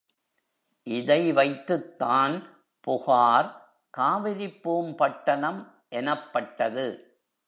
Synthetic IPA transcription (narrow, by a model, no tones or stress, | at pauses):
ʔɪðɐɪʋɐɪt̪ːɯt̪ːaːn | pʊɣaːɾ | kaːʋɪɾɪpːɯmpɐʈːɐnɐm | ʔɛnɐpːɐʈːɐðɯ